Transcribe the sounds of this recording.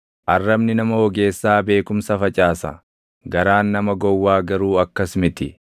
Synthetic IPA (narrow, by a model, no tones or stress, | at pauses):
ʔɐrːɐbnɪnɐmɐwɔɡe̞ːsːaːbe̞ːkʊmsɐfɐt͡ʃʼaːsɐ̰ | ɡɐɾaːnːɐmɐɡɔwːaːɡɐɾuːɐkːɐsmɪt̪ɪ